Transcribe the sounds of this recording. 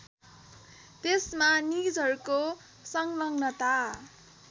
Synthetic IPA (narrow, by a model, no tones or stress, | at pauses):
t̪esmanid͡zʱɦʌɾuko | sʌŋlʌŋnʌt̪a